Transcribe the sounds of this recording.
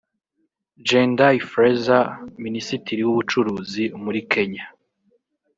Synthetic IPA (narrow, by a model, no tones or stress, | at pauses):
d͡ʒendaifɾezaminisitiɾiwuβut͡ʃuɾuːzimuɾikʰe̞ɲa